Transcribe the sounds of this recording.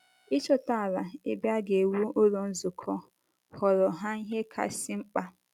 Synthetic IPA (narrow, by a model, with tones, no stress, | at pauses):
i˦t͡ʃɔ˦ta˦a˨la˨e˨bja˦ɡe˨wu˦o˦ɾo˨n̩˦zʊ˨kʰɔ˦ | hɔ˨ɾɔ˨ɦa˦i˦ɦe˦kʰa̰˨sɪ˦ŋ͡m̩˦k͡pa˦